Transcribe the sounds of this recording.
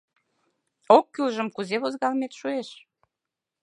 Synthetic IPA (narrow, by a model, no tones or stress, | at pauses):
okːylʒə̆mkuzeβozɣɑlmet̪ʃueʃ